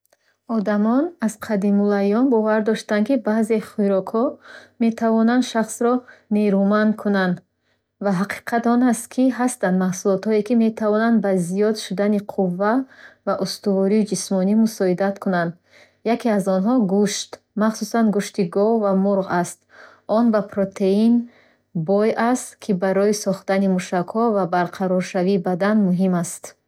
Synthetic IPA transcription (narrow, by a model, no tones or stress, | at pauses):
ɔd̪amɔnaz̥qʰad̪imulajɔnbɔvaɾd̪ɔʃt̪ankibaːze̞χiɾɔkhɔme̞t̪ʰavɔnand̪ʃaχsɾɔneɾumankʰunand̪ | vaɦaqʰi̥qʰat̪ɔnast̪kʰiɦast̪and̪mahsulɔt̪hɔekime̞t̪ʰavɔnand̪bazijɔd̪ʃud̪aniqʰuvːavaʔust̪uvɔɾiːd͡ʒismɔnimusɔid̪at̪kʰunand̪ | jakiazɔnɦɔɡuʃt̪ | maχsusanɡuʃt̪iɡɔvvamuɾʁast̪ | ɔnbapɾot̪ʰein | bɔjast̪kʰibaɾɔisɔχt̪animuʃakhɔvabaɾqʰaɾɔɾʃaviːbad̪anmuɦimast̪